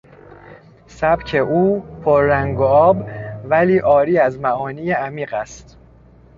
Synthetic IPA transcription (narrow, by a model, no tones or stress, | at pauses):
sæbcʰe̞ʔuːpʰoɾːæŋɡoɒːbvæliːʔɒːɾiːæzmæʔɒːniːjeæmiːɢæst̪